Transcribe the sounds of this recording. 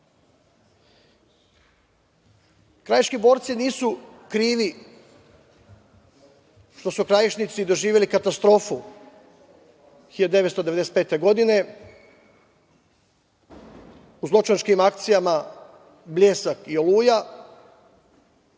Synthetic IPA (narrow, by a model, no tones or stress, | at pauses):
kɾajeʃkibo̞ːɾt̪siniːsukɾiːʋi | ʃt̪o̞sukɾajiʃnit̪sid̪o̞ʒiːʋje̞likat̪ast̪ɾo̞ːfu | xiʎad̪d̪e̞ʋet̪st̪o̞d̪e̞eese̥t̪peːt̪e̞ɡo̞d̪ine̞ | uzlˠo̞t͡ʃanskimakt̪sijama | blʎʲeːsakio̞luːja